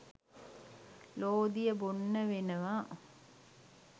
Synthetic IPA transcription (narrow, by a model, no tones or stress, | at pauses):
loːd̪ijəbonːəʋenəʋaː